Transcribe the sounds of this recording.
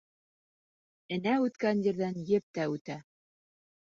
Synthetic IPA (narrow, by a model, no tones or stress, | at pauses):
ɘ̆næʉt̪kænjɘ̆ɾðænjɘp̚t̪æʉt̪æ